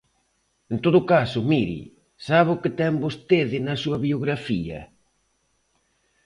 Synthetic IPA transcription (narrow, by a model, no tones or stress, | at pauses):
ent̪oðʊkasʊmiɾḭ | saβʊkɪt̪ɛmbost̪eðɪnɐsuɐβioɣɾafiɐ̰